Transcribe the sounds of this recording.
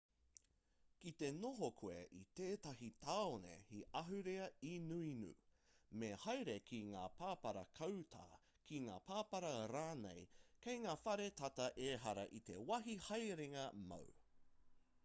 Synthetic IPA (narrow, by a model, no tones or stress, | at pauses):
kit̪e̞noɦokʰuḛʔḭt̪eːtɐɦit̪aːonḛhiʔɐɦʉɾeɐinuinṵ | mehɐjɾekʰiŋa̰ːpʰaːpɐɾɐkʰɐwtʰa̰ː | kiŋa̰ːpʰaːpɐɾɐɾaːnḛjkejŋaːfɐɾet̪ɐtɐʔeːɦɐɾɐ̰ʔit̪e̞̰wɐɦihɐjɾeŋɐmɐ̰w